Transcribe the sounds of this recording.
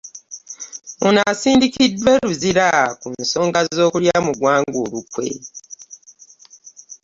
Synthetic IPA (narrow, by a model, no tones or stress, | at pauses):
onasiːndikidːwe̞ɾuziɾakunso̞ːŋɡazo̞ːkuljamuɡwaːŋɡoːlukwe̞̰